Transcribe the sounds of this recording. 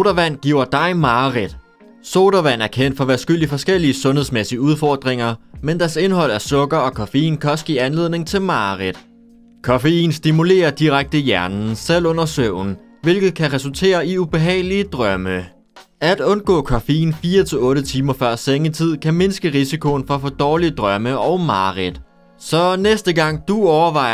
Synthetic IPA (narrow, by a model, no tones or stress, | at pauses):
ɾɐʋæn̰ɡ̥iʊ̰ɐd̥ɑ̈ɪmɑ̈ːʁid̥ | soɾ̥ɐʋæn̰æɐkʰen̰d̥fɒ̽ʋæsɡ̥yl̰ifɒ̽sɡ̥el̰iəsɔ̽nɦheðˠsmesiəuð̞ˠfɒːd̥ʁeŋɐmend̥æɐse̝nhɒ̽l̰æɐsɔ̽ɡ̥ɐɒ̽kʰɒfeḭːnkʰæɒ̽sɡ̥ḭːænle̝ð̞̰ˠne̝ŋt͡sʰe̝lmɑ̈ːʁid̥ | kʰɒfeḭːnsd̥imule̝̰ːɐd̥iʁaɡ̥̚d̥əjæɐnn̩sel̰ɔ̽n̰ɐsøʊn̩ | ʋe̝lɡ̥ð̩ˠkʰæʁɛsult͡sʰe̝̰ːɐiub̥e̝ɦɛ̰ːɪlid̥ʁɶmə | æd̥ɔ̽nɡ̥ɔ̰ːkʰɒfeḭːnfiːɐt͡sʰe̝ɔ̽ːɾət͡sʰiːmɐfɶɐ̰seŋət͡sʰið̞̰ˠkʰæme̝nsɡ̥əʁisikʰo̝n̩fɒ̽æfɔːd̥ɒːlid̥ʁɶməɒ̽ʊmɑ̈ːʁid̥ | sɒ̽nesd̥əɡ̥ɑ̈ŋ̰d̥uɒʊɐʋɑ̈ɪ̰